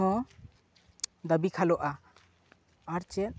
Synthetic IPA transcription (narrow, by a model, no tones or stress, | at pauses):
ɔ̃ | d̪əbikʰalɔʔa | aɾt͡ʃɛt̪̚